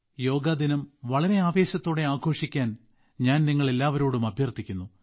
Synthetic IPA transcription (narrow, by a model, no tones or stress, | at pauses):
jo̞ːɡaːd̪inɐmʋɐɭɐɾe̞aːʋe̞ːɕɐt̪ːo̞ːɽe̞aːɡʱo̞ːʂikʲːaːn | ɲaːnniŋːɐɭe̞lːaːʋɐɾo̞ːɽumɐbʱjɐrt̪ʰikʲːunːu